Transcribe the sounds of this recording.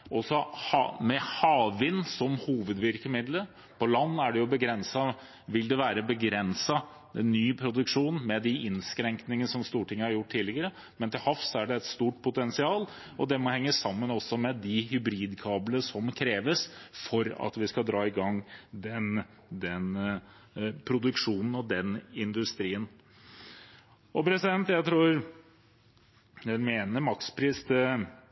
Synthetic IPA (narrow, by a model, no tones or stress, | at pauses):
ɔsɔhɑmɛhɑːʋʋɪnːsɔmhuːʋəd̪ʋɪɾkəmɪd̪ləɾ | pʰɔlɑnːæɖɛjʊbəɡɾɛnsɑ | ʋɪld̪ɛʋæːɾəbəɡɾɛnsɑ | ɛnːyːpʰɾʊd̪ʉkʂuːnmɛd̪ɪʔɪnskɾɛŋknɪŋənəsɔmst̪uːʈʰɪŋːəhɑɾjʊʈʰːt̪ːiːlɪɡəɾə | mɛnt̪ɪlhɑfsɔæɖɛɛt̪st̪uːʈ̚pʰʊt̪ɛnsɪɑːl | ɔd̪ɛmɔhɛŋːəsɑmːənɔsːɔmɛd̪ɪɦʏbɾiːd̪kʰɑːbləʂɔmkʰɾeːʋəsfɔɾɑ̰t̪ʋɪskɑd̪ɾɑːɪɡɑŋd̪ɛn | d̪ɛn | pʰɾʊd̪ʉkʂuːnn̩ɔd̪ɛnɪnd̪ʉst̪ɾiːən | ɔpʰɾɛsɪd̪ɛnt̪jæɪt̪ʰɾuːɾ | ɛnmeːnəɾmɑkspʰɾiːst̪